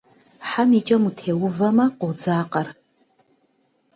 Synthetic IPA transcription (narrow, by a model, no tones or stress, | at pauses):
ħamit͡ʃʼɐmutʰewʊvamɐqʼod͡zaːqʼar